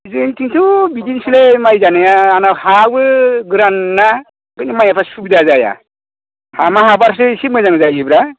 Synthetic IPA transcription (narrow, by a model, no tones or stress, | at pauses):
zɯntʰiŋtʰɯbidinsilejmajzanajaːnahabɯɡɾanːa | ɡɯnimajapʰasubidazaja̰ | hamaɦabaɾs̬ɯsimɯzaŋzajibɾa